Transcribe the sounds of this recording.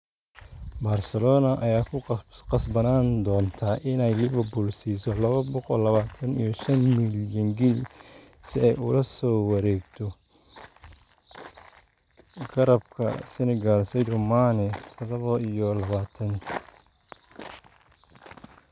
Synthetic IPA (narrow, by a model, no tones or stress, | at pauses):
baːrsɛlɔːnɐʔɐjaːkʰʊqɑsbɐnaːnd̪ɔːnt̪ʰaːʔɪnɛjlɪβɐrbuːlsiːsɔlɐβɐbɔqɔlːɐβaːt̪ʰɐnḭjɔʃɐnmɪljɐŋɡɪl | sɪɛjʊlɐsɔːwɐɾɛːɡt̪ʰɔ | ɡɐɾɐbkʰɐ̰sɪnɪɡalsɛjdʊmaːnɛt̪ʰɔðɔβɔijɔlɐβaːt̪ʰɐn